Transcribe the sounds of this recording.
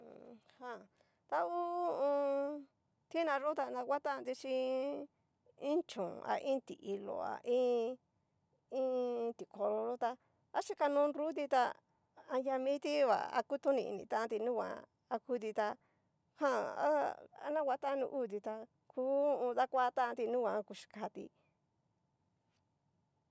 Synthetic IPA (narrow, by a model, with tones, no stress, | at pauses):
hã˧˨ | t̪a˧u˦ũ˧ | t̪i˦nã˧ʐo˦t̪a˧nã˧ka˦t̪a˦˧nd̪i˧t͡ʃĩ˧ | ĩ˦t͡ʃõ̰˨˧a̰˨˧ʔĩ˦t̪ḭ˨ʔi˧lo̰˨a̰˨ʔĩ˦ | ĩ˦t̪i˨ko˧ɾo˧ʐo˦t̪a˧ | a˦ʃi˦ka˧nũ˦˧nɾu˦t̪i˧t̪a˧ | a˧ja˧mĩ˦t̪i˦βa̰˨a̰˧ku˦t̪ũ˦nĩ˧ḭ˧nḭ̃˧˨t̪ã˦˧t̪̬i˧nũ˦wʷã̰˨˧ | a˧ku˧˦t̪i˧t̪a˧ | hã˦a̰˦a̰˧nã˦wʷa˧˦t̪a˦˧nṵ̃˧ʔu˦˨t̪i˧t̪a˧ | kũ˦˧ða˦kʷa˦˧t̪ã˦ʔã˧t̪i˧nũ˦wʷã˧ku˧ʃi̥˧ka˧t̪ḭ˧